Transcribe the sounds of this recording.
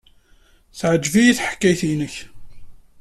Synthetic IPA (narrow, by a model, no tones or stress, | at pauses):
θʕəd͡ʒvijiθħə̥kːæjθinəç